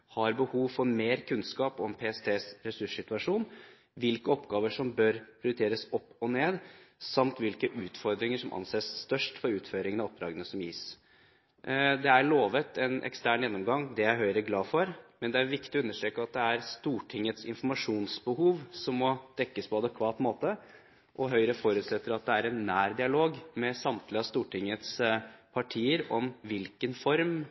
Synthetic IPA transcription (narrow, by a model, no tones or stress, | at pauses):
hɑɾbəhuːʋfɔɾmeːɾkʰʉnskɑːpɔmpʰeːɛst̪ʰeːsɾɛsʉʂsɪt̪ʉɑʂuːn | ʋɪlkəɔpːɡɑːʋəʂɔmbœɾpʰɾʊd̪ʉt̪ʰeːɾəsɔpːɔneːd̪sɑmt̪ʋɪlkəʔʉːt̪fɔɾd̪ɾɪŋəʂɔmʔɑ̰nseːsːt̪œʂʈfɔɾʉːt̪føːɾɪŋənɑɔp̚d̪ɾɑ̰ːɡənəsɔmjiːs | d̪ɛæɾɭoːʋət̪ʰɛnʔɛ̰kst̪æːɳjɛnːɔmɡɑŋd̪ɛæɾɦœʏɾəɡlɑːfɔɾmɛnd̪ɛæɾʋɪkt̪ɪɔʉnːəʂʈ̪ɾeːkəɑt̪̚d̪ɛæɾst̪uːʈʰɪŋːət̪sɪ̰nfɔɾmɑʂuːnsbəhuːʋsɔmːɔd̪̥ɛkːəspʰɔɑd̪əkʰʋɑːt̪moːt̪ə | ʔɔɦœʏɾəfɔɾʉːt̪sɛt̪ːəɾɑt̪̚d̪ɛæɾɛnːæːɾd̪ɪɑloːɡmɛsɑmt̪lɪɑst̪uːʈʰɪŋːət̪spʰɑʈʰiːəɾɔmʋɪlkənfɔɾm